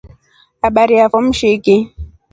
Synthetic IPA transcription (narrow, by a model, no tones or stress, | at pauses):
aɓaɾiafɔm̩ʃeke